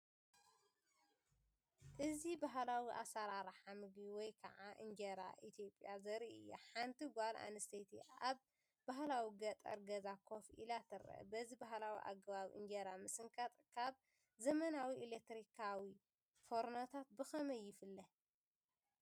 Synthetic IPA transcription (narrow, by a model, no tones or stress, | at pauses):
ʔɨzibaɦlawiʔa̰saɾaɾħamɨɡbiwɔjkʰɐ̰ʕaʔɨ̰ɲd͡ʒɐɾa̰ʔit̪ʰjo̞pʼjazɐɾiɨ̰jːaħant̪ʰiɡʷalʔa̰nɨst̪ʰet̪ʰiaβ | bahlawiɡɐt̪ʼɐ̰ɾɡɐzakʰo̞fḭlat̪ʰɨɾɐ̰ʔbɐzibaɦlawḭʔa̰ɡɐβaβʔɨ̰ɲd͡ʒɐɾamɨsɨŋkʰat̪ʼkʰaβ | zɐmɐnawiʔilek̚t̪ɾikʰawi | foɾnat̪ʰat̪̚bɨxɐmɐjːɪfɨlːɐ